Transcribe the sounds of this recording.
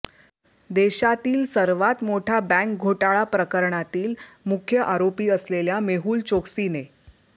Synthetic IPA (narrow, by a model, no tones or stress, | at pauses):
d̪eɕat̪iːlsəɾʋat̪moʈʰabæ̃ŋk̚ɡʱoʈaɭapɾəkəɾɳat̪iːlmukʰjəʔaɾopiːəsleljameɦuːlt͡ɕoksine